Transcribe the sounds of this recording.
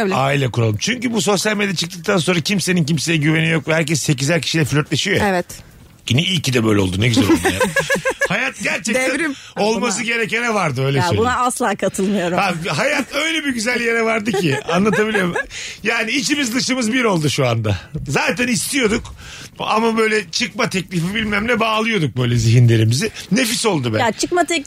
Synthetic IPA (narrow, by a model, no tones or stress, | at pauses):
aːilʲɛkuɾalˠɯmt͡ʃʰyɲcybuso̞sjalʲmed̪jɛt͡ʃʰɯ̥k̚t̪ɯk̚t̪ʰans̬o̞nɾacʰimse̞ninc̬imse̞jɛɟyve̞nijo̞kvɛhæɾc̬ɛsːe̞c̬izæɾcʰi̥ʃilʲɛfylʲøɾt̪lʲe̞ʃijoɛvɛt̪ | ɟiniilcid̪ɛbø̞jlʲɛlˠd̪unɟyzɛɾolˠm̰jahajat̪̚ɟæɾt͡ʃʰɛct̪æɾo̞lˠmas̬ɯɟe̞ɾecɛnɛvaɾd̪ɯø̞jlʲeʃbunaaslˠaːkʰat̪ʰɯlˠmijo̞ɾaɦajat̪ø̞jlʲɛbiɟyzælʲjeɾɛvaɾd̪ɯcʰia̰nlˠat̪abilʲiɾmjaːniːt͡ʃimizlɯʃɯmɯzbiɾo̞lˠd̪uʃuand̪azaːt̪ænist̪ʰijo̞d̪uk | a̰mabø̞jlʲɛt͡ʃʰɯkmat̪ʰɛclʲifibilʲmæmlʲɛbaːlˠɯjo̞d̪uk̚bø̞jlʲɛziɦinlʲe̞ɾimizɪne̞fiso̞lˠd̪ubɛat͡ʃʰɯkmat̪ɛ